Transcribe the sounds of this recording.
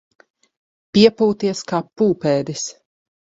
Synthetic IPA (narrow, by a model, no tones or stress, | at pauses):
piɛpuːt̪iɛskaːpuːpɛːd̪is